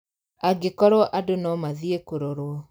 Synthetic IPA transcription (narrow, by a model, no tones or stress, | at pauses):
aɡekɔɾɔʔadonɔmaðiekoɾoɾwɔ